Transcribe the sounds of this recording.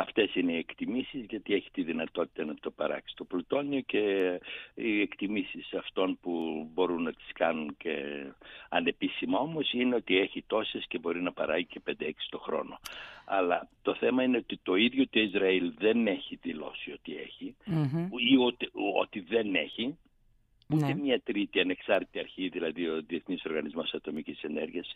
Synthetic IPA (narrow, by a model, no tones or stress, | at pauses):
ɐft̪e̞sineiekt̪imisizʝɐt̪ie̞çi̥t̪iðinɐt̪o̞t̪i̥t̪ɐnɐt̪o̞pɐ̰ɾɐ̰ksi̥t̪o̞plut̪o̞nioce̞ | iekt̪imisisɐft̪o̞npubo̞ɾunːɐt̪i̥skɐnunce̞̰ | ɐne̞pisimɐo̞mo̞sineo̞t̪ie̞çit̪o̞sesce̞bo̞ɾinɐpɐɾɐ̰ʝice̞pe̞nd̪eeksi̥t̪o̞xɾo̞̰no̞̰ɐ̰lɐ̰t̪o̞θe̞mɐine̞ot̪it̪o̞iðʝot̪oizɾɐilðe̞ne̞çiðilo̞̰sio̞t̪ie̞̰çi | iut̪o̞̰t̪iðe̞ne̞çi | utemɲɐt̪ɾit̪iɐne̞ksɐɾt̪i̥t̪iɐɾçiðilɐðioðie̞θniso̞ɾɣɐnizmo̞sɐt̪o̞micise̞ne̞̰ɾʝiɐs